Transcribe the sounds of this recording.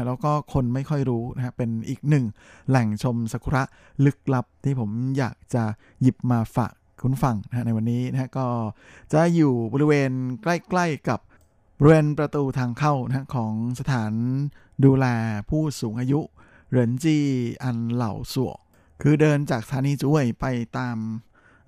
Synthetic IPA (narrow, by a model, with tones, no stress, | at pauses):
lɛː˦˥wkɔː˥˩kʰo˧nma˥˩jkʰɔ˥˩jɾuː˦˥na˦˥kʰa˦˥pe˧nʔiː˨˩k̚nɯ˨˩ŋlɛ˨˩ŋt͡ɕʰo˧msa˧kʰu˧ɾa˦˥ʔ | lɯ˦˥k̚la˦˥p̚t̪ʰiː˥˩pʰo˩˦mjaː˨˩k̚t͡ɕa˨˩ | ji˨˩p̚maː˧fa̰ː˨˩k | kʰu˧nfa˧ŋna˦hɦa˦˥na˧jwa˧nːiː˦˥na˦˥ha˦˥kɔː˥˩ | t͡ɕa˨˩juː˨˩bɔː˧ɾi˧weː˧nkla˥˩jkla˥˩jka˨˩p̚ | bɔː˧ɾi˧weː˧npɾa˧t̪uː˧t̪ʰaː˧ŋkʰa˥˩wna˧˥ha˦˥kʰɔː˩˦ŋsa˧t̪ʰaː˩˦n | duː˧lɛː˧pʰuː˥˩suː˩˦ŋʔaː˧ju˦˥ʔ | ɾɯ˩˦ə˦nt͡ɕiː˧˩ʔa˧nla̰˨˩wsu˨˩ək̚ | kʰɯː˧dɤː˧nt͡ɕaː˨˩k̚sat̪ʰaː˨˩˦niː˧t͡ɕu˧˥˩əjpa˧jt̪aː˧m